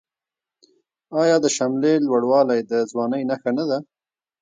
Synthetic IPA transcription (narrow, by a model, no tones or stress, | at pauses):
ɑjɑd̪əʃamlelwaɽwɑlajd̪əzwɑnəjnaxanad̪a